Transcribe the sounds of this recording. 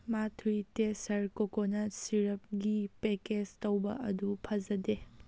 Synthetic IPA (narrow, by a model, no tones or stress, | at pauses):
matʰujtesɐɾkokonɐsiɾɐp̚ɡipekestowbɐ̰ʔɐdupʰɐzɐde